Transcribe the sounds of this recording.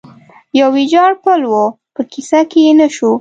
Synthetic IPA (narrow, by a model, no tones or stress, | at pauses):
jawid͡ʒɑɽpəlwo | pəkisakejenaʃu